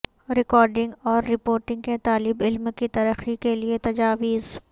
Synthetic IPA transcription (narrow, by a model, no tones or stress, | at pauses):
ɾɪkɔːɾɖɪ̃ŋɡɔːɾːɪpoːɾʈɪ̃ŋɡket̪aːlɪbɪlmkit̪ɐɾəxikeliet̪ɐd͡ʒaːʋiːz